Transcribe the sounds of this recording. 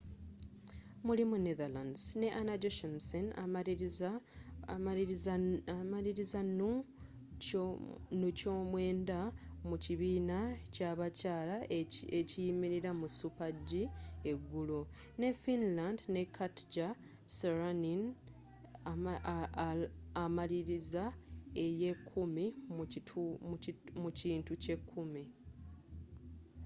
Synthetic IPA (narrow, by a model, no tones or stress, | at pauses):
mulimuneðalanzne̞ʔanad͡ʒoʃemsena | maliɾizanu | nucoːmwe̞ːndamuciβiːnacaβacaːlaecijimiɾiɾamusupaɟːie̞ɡːulone̞finlandne̞kʰatɟa | seɾanin | maliɾizaeje̞kʰːumim | muciːntuce̞kʰːumi